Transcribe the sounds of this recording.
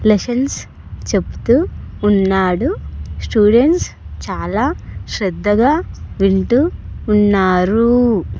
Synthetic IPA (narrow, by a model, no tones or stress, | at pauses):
lesɐns | t͡ʃe̞pu̥t̪uːnːaːɽusʈuːɖeɳʈs | t͡ʃaːlaːʃɾed̪ʱːɐɡaːʋiɳʈuːnːaːɾu